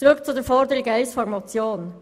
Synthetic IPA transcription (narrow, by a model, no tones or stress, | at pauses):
ɾʉkt͡sud̪eːfɔɾd̪əɾɪɡəæʏsfɔɾmɑt͡sjoːn